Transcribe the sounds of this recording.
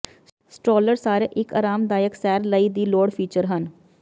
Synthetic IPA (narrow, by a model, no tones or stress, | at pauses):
sʈɾoːləɾsaːɾeːʔɪka̰ːɾaːmd̪aːjəksɛːɾləiːd̪iːloːɽpʰiːt͡ʃəɾɦən